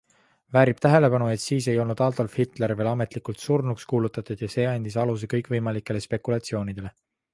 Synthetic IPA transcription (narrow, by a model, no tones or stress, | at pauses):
væːɾib̥t̪æɦe̞le̞pɑnue̞t̪siːs̬e̞jo̞lnud̪̥ɑːlt̪olfhit̪ˑle̞ɾve̞ːlɑme̞t̪likult̪surnukskuːlut̪ːˑɑt̪ˑud̪̥jɑse̞ːɑnʲd̪̥isɑlus̬e̞kɤjkvɤjmɑlikːˑe̞le̞spe̞kːˑulɑt̪sio̞ːnid̪̥e̞le̞